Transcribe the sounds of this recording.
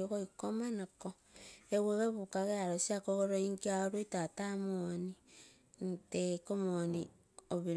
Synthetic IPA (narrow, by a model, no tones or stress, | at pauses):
oɣoikomanako | eβeβeβukaɣeaɾosiakoɣoɾoiŋkaoɾoitatamoni | ntekomoni | oβiɾ